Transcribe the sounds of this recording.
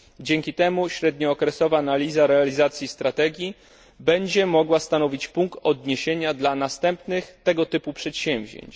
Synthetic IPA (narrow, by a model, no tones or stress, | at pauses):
d͡ʑɛŋkʲit̪ɛmuɕɾɛd̪ɲɔːkɾɛsɔvaːnalʲizaɾɛalʲizat̪sʲjist̪ɾat̪ɛɡʲji | bɛɲd͡ʑɛmɔɡwast̪anɔvʲit͡ɕpuŋkt̪ɔd̪ɲeɕeɲad̪lanast̪ɛmpnɘxt̪ɛɡɔt̪ɘpupʂɛt̪ɕɛ̃mvʲʑḛɲt͡ɕ